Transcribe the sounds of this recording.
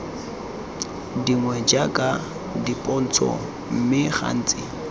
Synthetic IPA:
diŋwɛd͡ʒakʼa | dipʼɔn̩t͡sʰɔ̰ | m̩mɪχa̰n̩ːt͡sʼɪ

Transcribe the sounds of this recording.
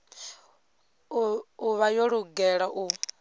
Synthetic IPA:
uβajɔɺuɡɛɺaʔu

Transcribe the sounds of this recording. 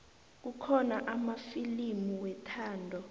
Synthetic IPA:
k̬ukʰɔnaʔamafilimuwɛtʰaːndʱɔ

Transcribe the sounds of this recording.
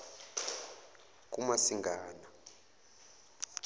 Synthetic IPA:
k̬ʼumasiŋɡaːna

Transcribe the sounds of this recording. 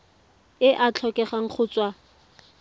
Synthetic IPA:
ɪʔat͡ɬʰɔkʼɛχaŋ̩χʰʊːt͡sʼwa

